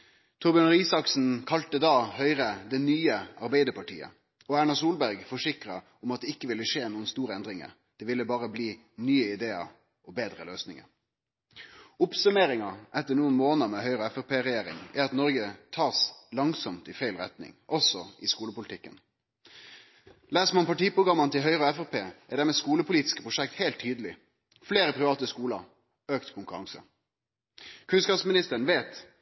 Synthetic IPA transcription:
t̪ʰʊbɪnəʁiːsɑksn̩kʰɑlt̪əd̪ɑːhœʏʁəd̪ɛnyːəɑɾbæɪd̪əpɑʈʰḭːə̰ | ɔæːɳɑsuːlbæʁɡfɔʂɪkɾɑ | ʊmɑt̪̚d̪ɛːɪkːəʋɪlːəʂeːnuːənst̪uːɾəɛnd̪ɾɪŋə̰ɾ | d̪̥ɛːʋɪlːəbɑːʁəbliː | nyːəɪd̪eːɑ̰ɾ | ɔbeːd̪ɾəløːsnɪŋə̰ɾ | ʊpsʉmeːɾɪŋɑʔɛt̪ːəɳuːənmoːnəmɛhœʏʁəɛfɛpeːʁɛjeːɾɪ̰ŋæɾɑt̪nɔɾɡət̪ʰɑːslɑŋsɔmt̪ɪfæɪlʁɛ̰t̪nɪ̰ŋʔɔsɔʔɪskuːləpʊlɪt̪ɪkːə̰n | læːsmɔmpɑʈiːpʁʊɡɾɑmːənt̪ɪlɦœʏʁəɔɛfɛpeːʔæɖ̪æʁmɛːskuːləpʊliːt̪ɪ̥skə̥pʰʁʊʃɛkt̪heɪlt̪ʰːyːd̪əlɪ | fleːʁəpʰʁɪʋɑːt̪əskuːlɑ | øːkt̪kʰʊŋkʉɾɑŋsə̰ | kʰʉnskɑpsmɪnɪst̪əɾən̩ʋeːt̪

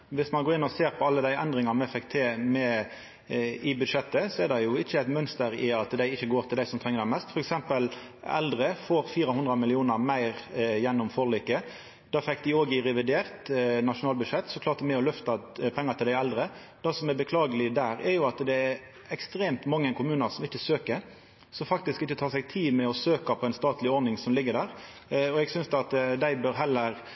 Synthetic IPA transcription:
ʋɪsmɑnɡoːɾɪnːɔseːɾpʰɔɑlːəd̪æɪʔɛ̰nd̪ɾɪŋɑmɛfɛkːt̪ʰɪmɛ | ɪbʉd̪ʂɛt̪ːəsɔɛɾd̪ɛjʊɪçːəæɪt̪mœnst̪əɾɪɑt̪d̪æɪɪçːəɡoːɾt̪ʰɪld̪æɪsɔmt̪ʰʁɛŋəd̪æɪmɛst̪fɔɾɛksɛmpəl | ɛ̰ld̪ɾəfoːɾfiːɾəhʊnd̪ɾɑmɪlɪuːnəʁmæɪʁjɛnːɔmfɔʁliːkə | d̪̥ɑːfɛkːd̪ɪoːɡɪɾɛʋɪd̪eːʁt̪nɑʂʊnɑːlbʉʂɛt̪ːsɔklɑːɾt̪mɛɔlœft̪ɑpʰɛŋːət̪ʰɪld̪æɪɛld̪ɾəd̪̥ɑsɔmɛbəkʰlɑːɡəlɪd̪æːɾɛɾjʊɑt̪d̪ɛæɾ | ɛkst̪ɾeːmt̪mɑŋːəkʰʊmʉːnəɾsɔmɪçəsøːkəɾ | sɔmfɑk̚t̪ɪskɪçːət̪ʰɑːʁsɛɡ̚t̪ʰiːmɛɔsøːkɑpʰɔæɪnst̪ɑːt̪ʰlɪɔɾnɪŋsɔmlɪɡːəɾd̪æːʁ | ɔɛɡsʏnsd̪ɑt̪d̪æɪbøɾɦɛlːəɾ

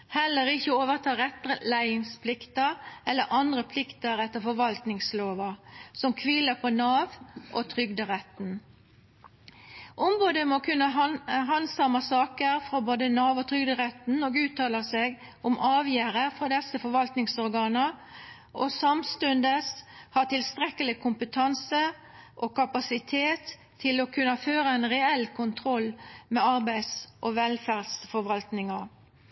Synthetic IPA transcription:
hɛlːəʁɪçːəoːʋəʁt̪ʰɑːɾɛt̪ːəɾəlæɪɪŋspʰlɪkt̪əʁɛlːəɾʔɑnd̪ʁəpʰlɪkt̪əɾɛt̪ːəʁfɔɾʋɑlt̪nɪŋsloːʋɑsɔmkʰʋiːləpʰɔnɑːʋʔɔt̪ʰʁʏɡd̪əʁɛt̪n | ʔɔmboːd̪əmokʰʉnːəɦɑnsɑmɑsɑːkəʁfɾɑboːd̪ənɑːʋɔt̪ʰʁʏɡd̪əʁɛt̪n̩oːɡʉːt̪ʰːɑːləseːɡ | ʊmɑːʋjæːɾəfɾɔd̪ɛsːəfɔɾʋɑlt̪nɪŋsɔɾɡɑːnə | ʔɔ̰sɑmst̪ʉnd̪əshɑːʈ̪ɪlst̪ɾɛkəlɪkʰʊmpət̪ʰɑnsə | ʔɔkɑpɑsɪt̪ʰeːt̪ʰː | ɪlɔkʰʉnːɑføːɾəɛnʁɛɛlːkʰʊnt̪ʰɾɔlːmɛɑɾbæɪsʔɔʋɛlfæʁdsfɔɾʋɑlt̪nɪŋɑ

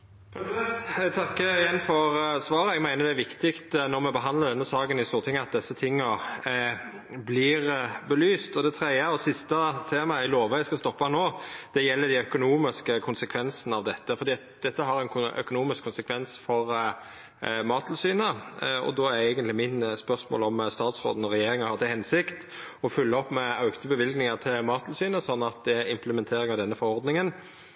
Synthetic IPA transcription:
t̪ʰɑkːəɪjɛnːfɔʁsʋɑːɾəɛɡmæɪnəd̪ɛæʋɪkt̪ɪkt̪nɔɾmɛbəɦɑnd̪ləd̪ɛnːəsɑːɡənɪst̪uːɾt̪ʰɪŋːəɑt̪̚d̪ɛsːət̪ʰɪŋːə | blɪʁbəlyːst̪ɔd̪ɛt̪ʰɾɛəɔsɪst̪ət̪ʰeːmɑæɪloːʋəæɪskɑst̪ɔpːɑnoːd̪̥ɛjɛlːəd̪ɪœkʊnuːmɪskəkʰʊnsəkʰʋɛnsənəɑʋd̪ɛt̪ːəfɔɾd̪iːɑt̪̚d̪̥ɛt̪ːəɦɑɾæɪnkʰʊœ̰kʊnuːmɪskʰːʊnsəkʰʋɛnsfɔɾ | mɑːt̪ʰːl̩syːnəɔ̰d̪oːææɪɡənt̪lɪmɪnspœʁsmo̰ːlɔmst̪ɑːt̪sɾo̰ːd̪ən̩ɔɾɛjeːɾɪŋɑhɑʁt̪æhɛnsɪkt̪ | ɔfʉlːəɔpmɛɑʉɡt̪əbəʋɪlɡnɪŋɑt̪ʰɪlmɑːt̪ʰl̩syːnəsɔnːɑt̪̚d̪ɛæɾɪmpləmɛnt̪ʰeːɾɪŋɑʋd̪ɛnːəfɔɾɔɾd̪nɪŋən

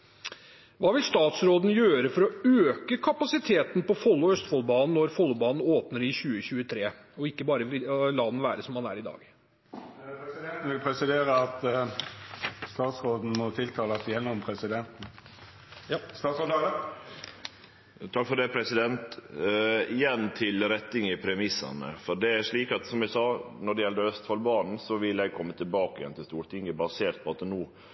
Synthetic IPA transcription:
ʋɑːʋɪlst̪ɑːt̪sɾoːd̪n̩jøːɾəfɔɾɔøːkəkʰɑpɑsɪt̪ʰeːt̪npɔfɔlːɔœst̪fɔlbɑːnn̩ːɔɾfɔlːʊbɑːnn̩oːpnəɾɪçʉːəçʉːət̪ʰɾeː | ɔɪkːəbɑːɾəʋɪlɑːd̪nʋæːɾəsɔmhɑnæ̰ːɾɪd̪ɑ̰ːɡ | ɛsɪd̪ɛnt̪n̩ʋɪlpʰɾɛsɪd̪eːɾəɑt̪ | st̪ɑːt̪sʁoːd̪n̩mɔt̪ʰɪlt̪ʰɑːləsjɛnːɔmpʰɾɛsɪd̪ɛnt̪n̩ | st̪ɑːt̪soːd̪ | t̪ʰɑkːfɔɾd̪ɛpʰɾɛsɪd̪ɛnt̪ | ɪjɛnːt̪ʰɪlɾɛt̪ːɪŋɪpʰɾɛmɪsːɑ̰nə̰fɔɖ̪ɛæʂɭiːkɑt̪sɔmɛsɑːnɔɖɛjɛld̪əœst̪fɑlbɑːnn̩sɔʋɪlːɛɪɡ̚kʰɔmːət̪ʰɪlbɑːkəɪjɛ̰nt̪ʰɪlst̪uːɾt̪ɪŋːəbɑseːɾt̪̚pʰɔɑt̪ːnuː

